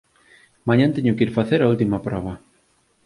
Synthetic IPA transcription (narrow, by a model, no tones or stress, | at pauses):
mãɲãnt̪eɲʊkiɾfaθeɾault̪imɐpɾɔβɐ